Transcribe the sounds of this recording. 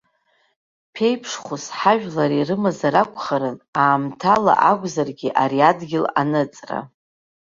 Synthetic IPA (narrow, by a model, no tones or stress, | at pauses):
pʰe̞jpʰʂχusħaʒᶣlaɾirɨmazaɾakʷʼχaɾɨnaːmtʰala̰ʔaɡʷzarɡʲiʔaɾiadɡʲɪlanɨt͡sʼra̰